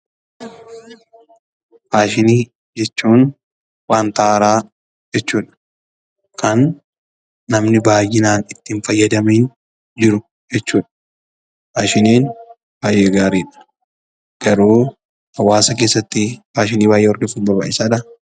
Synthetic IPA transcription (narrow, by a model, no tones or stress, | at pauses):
paːʃɪniː | d͡ʒɛt͡ʃːuːn | waːnt̪aːɾaː | d͡ʒɛt͡ʃːuːᶑɐ̥ | kʰɐnː | ɐmnɪbaːjɪnaːnɪt̪ːɪnfɐjːɐd̪ɐmeːn | d͡ʒɪɾʊ | d͡ʒɛt͡ʃːuːᶑɐ̥ | baːʃɪniːn | b̥aːjʔeːɡaːɾiːᶑɐ̥ | ɡ̥ɐɾuː | hɐwaːsɐkeːsːɐt̪ːɪbaːʃɪniːbaːjʔeːɔɾɡɛfuːnbɐɾba̰ːʔɪsaːᶑɐ